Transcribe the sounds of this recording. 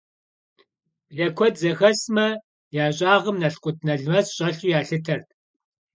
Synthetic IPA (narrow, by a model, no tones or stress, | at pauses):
ɮɐkʷʰɔdzɐxɐsmɐ | jaːɕʼaːʁəmnɐɬqʷʼʊt̚ʰnɐɮmɐsɕʼɐɬʊjaːɬɨtʰɐrt̚ʰ